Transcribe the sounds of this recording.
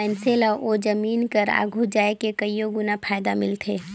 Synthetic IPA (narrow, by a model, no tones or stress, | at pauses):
ɛːnselaʔoːd͡ʒəmiːnkəɾa̰ːɡʱud͡ʒaːekekɐijoɡʊnapʰaːjd̪amɪlt̪ʰeː